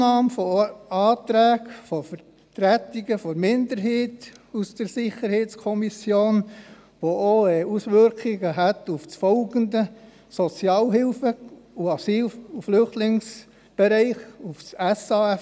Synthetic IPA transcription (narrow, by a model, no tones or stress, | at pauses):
ɑːmfɔɑːt̪ɾæːɡfɔfəɾ | tɾæt̪iɡəfɔmɪndəɾɦɛːtusd̥əɾsɪχəɾhɛɪt͡skʰɔmisjoːn | ʋooɛusʋʏɾkχiɡəɦætuft͡sfɔlɡəndə | sɔt͡sjɑːlɦɪlfəuɑsiːluflʏχtlɪŋs | b̥ɛɾæɪχufsæsɑɛ